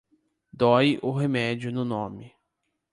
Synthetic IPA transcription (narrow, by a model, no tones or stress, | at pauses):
d̪ɔjʊɦemɛd͡ʒʊnʊnõmɪ